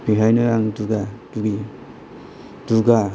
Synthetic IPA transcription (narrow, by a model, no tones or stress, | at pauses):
biɦajnaɾaŋduɡad̥uɡi | duɡa